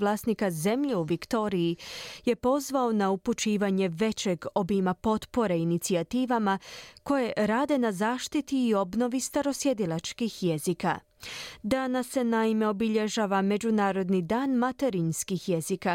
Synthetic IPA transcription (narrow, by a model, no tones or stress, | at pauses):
lˠaːsnikaze̞mʎeuʋikt̪o̞ːɾiije̞po̞zʋao̞nauput͡ʃiːʋaɲe̞ʋe̞t͡ɕe̞ɡo̞bimapo̞t̪po̞ɾeinit̪siat̪iːʋamako̞je̞ɾaːd̪e̞nazaːʃt̪it̪iːo̞bno̞ʋist̪aɾo̞sje̞d̪ilˠat͡ʃkixje̞zika̰ | d̪anasːe̞naime̞o̞biʎe̞ʒaːʋame̞d͡ʑunaːɾo̞d̪nid̪aːnmat̪e̞ɾinskixje̞zika